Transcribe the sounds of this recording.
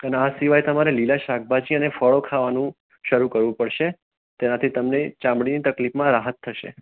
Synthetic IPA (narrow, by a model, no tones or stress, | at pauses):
əneasiʋajt̪əmaɾelilaʃak̚ʰbad͡ʒiənefəɭokʰaʋanũ | ʃəɾũkəɾʋũpəɽʃe | t̪enat̪ʰit̪əmnet͡ʃãmbɽinit̪əklipmãɾaɦət̪ʰːəʃḛ